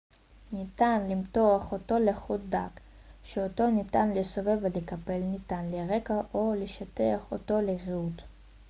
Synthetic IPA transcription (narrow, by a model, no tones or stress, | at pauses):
nitanlimtoaχo̞to̞leχut̚d̪ak | ʃeoto̞nitanlesove̞velekape̞lnitanleʁe̞kaʔoleʃat̪eaχoto̞leʁiut